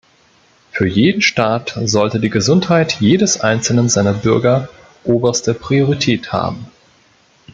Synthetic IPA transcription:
fyːɐjeːdn̩ʃtaːtzɔltədiːɡəzʊnthaɪtjeːdəsʔaɪnt͡sl̩nənzaɪnɐbʏɐɡɐ | ʔoːbɐstəpʁ̥ioʁ̞itʰɛːtha̰ːbm̩

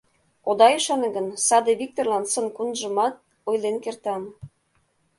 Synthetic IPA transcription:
od̪ɑjyʃɑnə̆ɡənsɑd̪eβik̚t̪orlˠɑnsənkunʒə̆mɑt̪̚ | ojlenkert̪ɑm

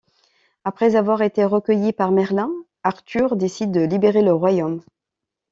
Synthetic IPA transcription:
apχɛzavwaʁet̪eʁəkʲəjipaʁmɛʁlɛ̃ | aʁt̪yʁd̪esid̪ːəlibeʁeləʁwajom

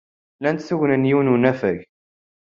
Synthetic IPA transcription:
lænt̪θuʝnənjununæfæʝ

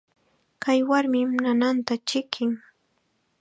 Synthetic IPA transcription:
kʰajwaɾmɪmnanant̪at͡ʃɪkʰɪŋ

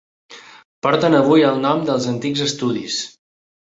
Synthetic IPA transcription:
pɔɾt̪ənəβujəlˠnɔmd̪əlˠzənt̪iɡzəst̪uðḭs

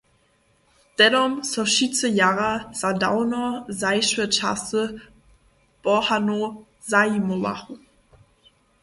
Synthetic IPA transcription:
d̥ɛdɔmsɔʃit͡səjaʁaz̥adaʊnɔzaɪʃvət͡ʃa̰sə | b̥ɔhano | zaimova̰χu

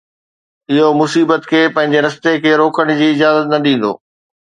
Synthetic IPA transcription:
ɪɦomʊsiːbət̪kʰeːpɐ̃ɦɪ̃ɲ̆d͡ʑeɾɐst̪ekʰeːɾoːkəɽ̃ʊd͡ʑiːɪd͡ʑaːzət̪nɐɗĩːn̆d̪o̰ː

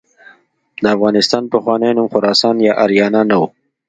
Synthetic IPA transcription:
d̪əafɣɑnɪst̪ɑnpəxwɑːnejnumxʊɾɑsɑːnjɑʔaɾjɑːnanawu

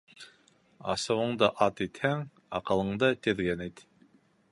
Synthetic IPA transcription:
ɑ̰sɤ̆wɤ̆ɴd̪ɤʔɑt̪it̪hæŋ | ɑqɤ̆lˠɤ̆ɴd̪ɤt̪ɘ̆ðɡænæt̪

